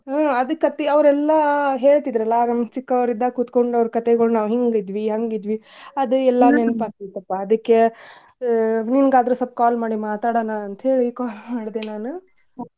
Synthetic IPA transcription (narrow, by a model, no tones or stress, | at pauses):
aɐd̪ɨkɐt̪ːiɐʋɾɛlːɐɦe̞ːɭt̪id̪ɾɐlːɐnɐmt͡ʃikːɐʋɾid̪ːɐkut̪koɳɖɐʋɐɾkɐt̪eɡɐɭunaːʋɦiŋɡid̪ʋiɦɐŋɡid̪ʋiɐd̪uɛlːɐnenpaːt̪it̪ɐpːaɐd̪ɐkːe | ninɡaːd̪ɐɾusɐp̚kaːlmaːɽimaːt̪aːɽɐːnɐɐnt̪ɐɦe̞ːɭikaːlmaːɽd̪enaːnu